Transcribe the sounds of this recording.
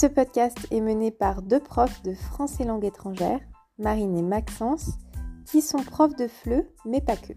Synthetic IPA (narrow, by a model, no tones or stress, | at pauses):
səpɔd̪̚kast̪ɛmənepaʁd̪øpχɔfd̪əfχɑ̃selɑ̃ɡet̪χɑ̃ʒɛːʁ | maʁinemaksɑ̃skʲʰisɔ̃pχɔfd̪əflømɛpakʰʲø̰